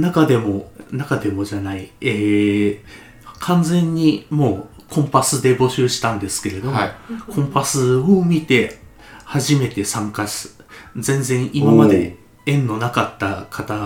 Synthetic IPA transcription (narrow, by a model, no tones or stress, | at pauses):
nakad̪e̞mo̞nakad̪e̞mo̞ʑanaieː | kʰãnd͡zẽ̞ɲ̟ːimo̞ː | kʰõ̞mpasɨd̪e̞bo̞ɕɨːɕi̥t̪ãnd̪e̞sɨ̥ke̞ɾe̞d̪o̞mokʰõ̞mpasɨomʲit̪e̞ | haʑime̞t̪e̞sãŋkaɕi̥zẽ̞nzẽ̞ɰ̃ʔimamad̪e̞ | ẽ̞nːo̞nakat̪ːakʰat̪a